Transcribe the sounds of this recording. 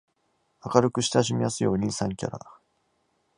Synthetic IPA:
akaɾɯ̟kɯ̟ɕi̥t̪aʑimʲijasɨjo̞ːɲ̟ʲisãŋkʲa̰ɾa̰

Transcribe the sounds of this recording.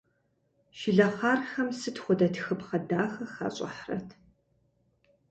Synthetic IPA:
ʃɪɮɐχaːrxɐmsɨtχʷʊdɐtxɨpχɐdaːxɐxɐ̰ɕʼɐ̰ħrɐ̰tʰ

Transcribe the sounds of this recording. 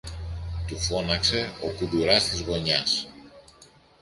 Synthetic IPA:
t̪ufo̞nɐkse̞o̞kud̪uɾɐst̪izɣo̞ɲɐs

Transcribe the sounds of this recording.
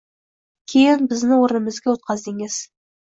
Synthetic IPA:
kʲʰejɪnbɪznɪŋwoɾnəməzɡʲewot̪̚qɑzd̪eŋɪz̥

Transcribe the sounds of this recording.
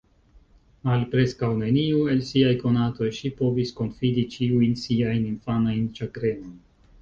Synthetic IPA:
malpɾe̞skawne̞niue̞lsiajko̞nato̞jʃipo̞visko̞nfidit͡ʃiujnsiajninfanajnt͡ʃakɾe̞no̞jn

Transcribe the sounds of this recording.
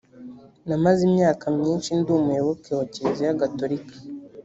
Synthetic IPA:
namazimɲaːkamɲiːnt͡ʃindumuewokewocezijaɡatoɾikḁ

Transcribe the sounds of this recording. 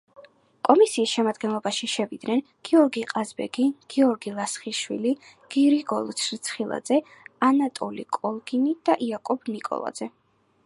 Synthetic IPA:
kʼɔmisiːsʃɛmad̪ɡɛnlˠɔbaʃiʃɛvid̪nɛn | ɡ̥iɔɾɡiqʼazbɛ̰ɡiɡ̥iɔɾɡilˠasχiʃwḭli | ɡ̥iɾiɡɔlˠt͡ʃʰɾt̪sʰχilˠa̰d̪z̥ɛ | anat̪ʼɔlikʼɔlˠɡinid̪̥aʔiakʼɔb̥nikʼɔ̰lˠa̰d̪zɛ

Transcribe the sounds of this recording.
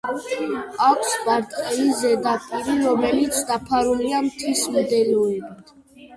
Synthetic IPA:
akʰspaɾt̪ʼqʼɛizɛd̪apʼiɾiɾɔmɛlit̪sʰd̪apʰaɾuliamt̪ʰismd̪ɛlɔɛbit̪ʰ

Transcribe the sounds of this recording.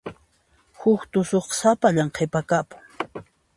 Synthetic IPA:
hʊkt̪ʊsoχsapaʎaɴqʰepakapʊ̥ŋ

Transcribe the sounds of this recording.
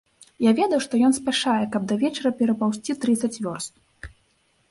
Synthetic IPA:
javʲɛd̪ɐwʂt̪ɔjɔnspʲaʂajɛkɐb̚d̪ɐvʲɛt͡ʂɐɾɐpʲɛɾɐpawsʲt͡sʲit̪ɾɨt̪sɐt͡sʲvʲɔst̪̚

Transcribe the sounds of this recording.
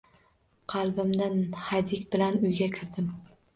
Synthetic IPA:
qʰɑlˠbɪmd̪anhajd̪ɪkʲbɪlanʊjɡʲakʲʰɪɾd̪ɪm

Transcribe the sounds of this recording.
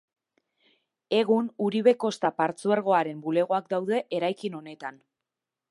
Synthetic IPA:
e̞ɣunuɾiβ̞e̞ko̞st̪apaɾt͡sueɾɣ̞o̞aɾe̞mbule̞ɣ̞o̞ak̚d̪awðe̞ʔeɾajkino̞ne̞t̪an

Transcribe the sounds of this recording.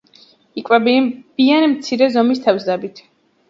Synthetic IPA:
ikʼwɛbb̥ianimt̪sʰiɾɛzɔmist̪ʰɛvzd̪ɛbit̪ʰ

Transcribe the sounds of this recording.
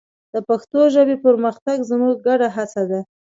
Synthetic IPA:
d̪̥əpaxt̪oʒəbepəɾməxt̪aɡzmuɡːaɖaɦat͡sad̪a

